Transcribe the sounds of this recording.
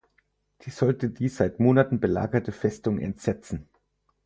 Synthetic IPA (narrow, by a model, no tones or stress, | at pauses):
d̥iːzɔltədiːz̥aɪtmoːnatn̩bəla̰ːɡɐtəfɛstʊŋɛ̰ntz̥ɛt͡sn̩